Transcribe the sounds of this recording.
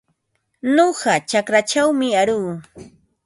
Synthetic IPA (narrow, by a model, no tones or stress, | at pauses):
noɢɑt͡ʃakɾat͡ʃawmɪaɾuː